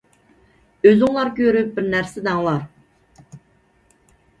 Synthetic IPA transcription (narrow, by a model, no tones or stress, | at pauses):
øzyŋlˠɑɾkʲʰøɾyp̚bɪɾnæɾsɪd̪ɑŋlˠɑɾ